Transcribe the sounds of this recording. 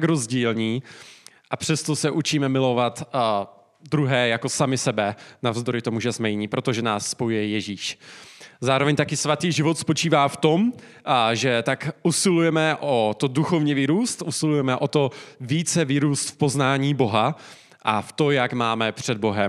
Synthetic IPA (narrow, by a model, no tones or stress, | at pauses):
kɾo̞zɟiːlɲiː | ʔapr̝̥ɛst̪o̞sɛʔut͡ʃiːmɛmɪlo̞vat̪ | d̪ɾuɦɛːjako̞samɪsɛbɛnavzd̪o̞ɾɪt̪o̞muʒɛzmɛjɪɲipɾo̞t̪oʒɛnaːsːpo̞jujɛjɛʒiːʃ | zaːɾovɛɲt̪akɪsvat̪iːʒɪvot̪spo̞t͡ʃiːvaːft̪o̞m | ʒɛt̪akʔusɪlujɛmɛʔot̪oduxo̞vɲɛviːɾuːst̪ʔusɪlujɛmɛʔot̪o̞viːt͡sɛviːɾuːst̪fpo̞znaːɲiːbo̞ɦa | ʔaft̪o̞jakmaːmɛpr̝̥ɛd̪̚bo̞ɦɛm